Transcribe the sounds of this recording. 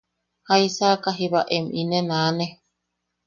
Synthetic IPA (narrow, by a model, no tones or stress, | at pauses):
haisakaɦiβaʔeminenaːne